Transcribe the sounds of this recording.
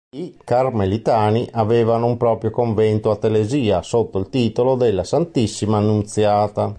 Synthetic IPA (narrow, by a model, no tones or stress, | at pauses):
ikarmelit̪aːniʔaveːvanoumpɾɔːpɾjokoɱvɛnt̪oat̪ːeleziːasot̪ːoilt̪iːt̪olod̪elːasant̪isːimaːnːunt̪sjaːt̪a